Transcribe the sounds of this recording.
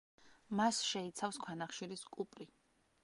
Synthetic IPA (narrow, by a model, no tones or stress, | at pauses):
masʃɛit̪sʰafskʰwanaχʃiɾiskʼupʼɾi